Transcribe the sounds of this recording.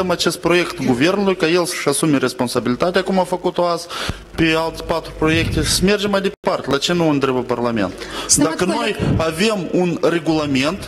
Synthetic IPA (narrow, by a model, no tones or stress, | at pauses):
emat͡ʃe̞st̪̚pɾo̞je̞kt̪ɡuve̞rnulujkaje̞lsə̥ʃasumeɾe̞spo̞nsabilit̪at̪eakumafəkut̪o̞az | pealt̪pat̪ɾupɾo̞je̞k̚t̪esəme̞rd͡ʒemajd̪epart̪ʲelat͡ʃe̞nuɨnt̪ɾebəparlame̞̰nt̪d̪akəno̞jave̞munre̞ɡulame̞nt̪